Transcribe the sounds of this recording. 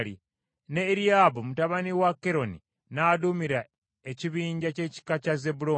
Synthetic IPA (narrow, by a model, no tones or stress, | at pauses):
lḭ | neːɾiabomutaβaniwakeɾo̞ni | naːdumiɾa | eciβiːɲɟace̞ci̥kacazebuɾo